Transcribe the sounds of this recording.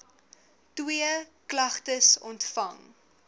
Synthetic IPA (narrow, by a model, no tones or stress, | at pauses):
twiəklɐχtəsɔntfɐŋ